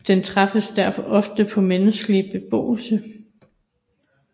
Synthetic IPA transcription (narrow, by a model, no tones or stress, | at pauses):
d̥ent͡sʰʁɑ̈fəsd̥æɐfɒ̽ʔɒ̽fd̥əpʰɒ̽menəsɡ̥əlib̥e̝b̥o̝̰ːlsə